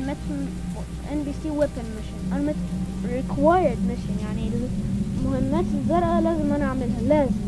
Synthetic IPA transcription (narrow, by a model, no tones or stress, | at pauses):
mæt̪ən | fotʔɛnbiːsiːwɛpɪ̃nmɪʃɪ̃nʔanmɪt̪ | ɾɪkʰwajəd̪̚mɪʃɪ̃njaʕnilmʊhɪmːæːt̪ɪzˤːɑɾˤʔɑlaːzɪmʔanaʕamɪlɦalaːzɪm